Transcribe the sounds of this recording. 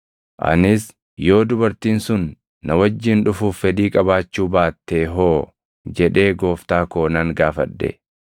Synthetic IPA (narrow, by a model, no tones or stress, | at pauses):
ʔɐ̰nɪs | jo̞ːd̪ʊbɐɾt̪iːnsʊnː | ɐwɐd͡ʒːɪnᶑʊfuːfːɛd̪iːkʼɐbaːt͡ʃːuːbaːt̪ːeːɦoː | d͡ʒɛᶑe̞ːɡo̞ːft̪aːko̞ːnɐŋɡaːfɐᶑːɛ̰